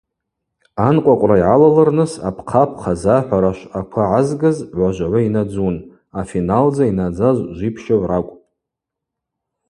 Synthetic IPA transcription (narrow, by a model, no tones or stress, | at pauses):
anqʷʼakʷʼraiʕalalɨrnɨsa̰pʰqʰapʰχazaħʷᶣaɾaʃakʷʰaʕazɡɨzʕʷaʒʷʕʷainad͡zun | afinald͡zainad͡zazʷʒʷipʰʃaʕrakʷʼ